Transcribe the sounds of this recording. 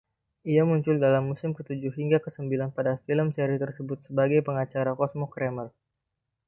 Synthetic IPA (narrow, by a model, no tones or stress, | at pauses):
ʔiamuɲt͡ʃʊldalamːusɪmkət̪ud͡ʒʊhɦiŋɡakəsəmbilanpadafiləmseɾit̪ərsəbʊt̪̚səbaɡajpəŋat͡ʃaɾakɔsmɔkɾeməl